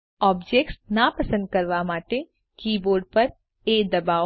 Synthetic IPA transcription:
ɔbd͡ʒek̚ʈsnapəsə̃nd̪̚kəɾʋamaʈe | kiboɾɖpəɾ | ed̪əba

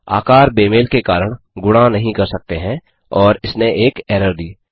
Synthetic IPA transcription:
a̰ːkaːɾbeːmeːlkekaːɾəɽ̃ | ɡʊɽ̃anɐɦĩkɐɾsɐk̚t̪eɦɛ̃ | ɔːɾɪsneʔeːkɛːɾəɾd̪iː

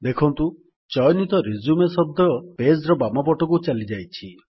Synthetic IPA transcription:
d̪ekʰɔnt̪u | t͡ʃɔjɔnit̪ɔɾizumesɔd̪ʱɔpesɾɔbamɔpɔʈɔkut͡ʃalid͡ʒajt͡ʃʰi

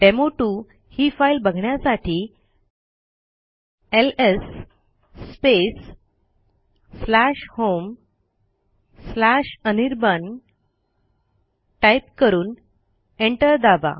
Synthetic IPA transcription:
ʈemoʈu | hiːfailbəɡʱɳjasaʈʰiː | elesː | pes | læʂhom | slaɕəniɾbən | ʈajp̚kəɾuːn | eɳʈəɾd̪aba̰

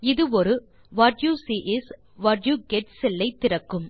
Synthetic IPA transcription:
ɪðɯɔɾɯ | ʋɐʈjuːsiʔɪs | ʋɐɾjuːɡɛʈsɛlːɐɪt̪ːɪɾɐkːɯm

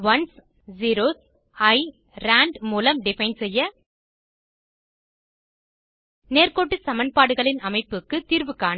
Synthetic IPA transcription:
ʋɐns | ziːɾoːs | ɐɪ | ɾaːɳɖmuːlɐmɖɪfɐɪnsɛjːɐ | neːrkoːʈːɯsɐmɐnpaːɽɯɣɐɭɪnɐmɐɪpːɯkːɯt̪iːɾʋɯkːaːn

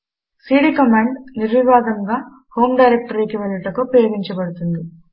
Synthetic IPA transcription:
siːɽiːkɐmaːɳɖniɾʋiʋaːd̪ɐŋɡaː | ho̞ːmɖɐjɾek̚ʈɐɾiːkiʋelɐʈɐkupɾɐjɐɡ̪iɲt͡ʃɐbɐɽut̪und̪i

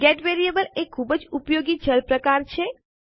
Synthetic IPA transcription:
ɡeʈʋeɾiebəlekʰːubəd͡ʒupjoɡid͡ʒəlpɾəkaɾt͡ʃʰe

